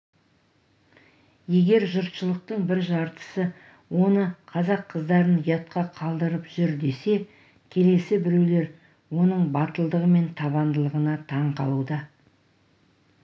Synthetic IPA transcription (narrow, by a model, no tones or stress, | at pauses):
je̞ɡʲe̞ɾʒʊɾt̪ʃəlˠəq̚t̪əɴbɪɾʒɑɾt̪ə̥sə | wo̞nəqʰɑzɑqʰːəzd̪ɑɾənjɑt̪̚qɑqʰɑlˠd̪əɾəpʒ̥ʏɾd̪e̞se̞ | kʲʰe̞le̞sɪbɪɾe̞wle̞ɾ | wo̞nəɴbɑt̪əlˠd̪əʁəme̞nt̪ʰɑβɑnd̪əlˠəʁənɑt̪ʰɑɴqʰɑ̰lˠud̪ɑ